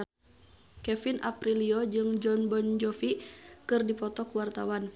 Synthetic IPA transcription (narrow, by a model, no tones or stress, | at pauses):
kɛfinʔa̰pɾiliɔd͡ʒɨŋd͡ʒɔnbɔnd͡ʒɔfikɨrdipɔt̪ɔkuwart̪awan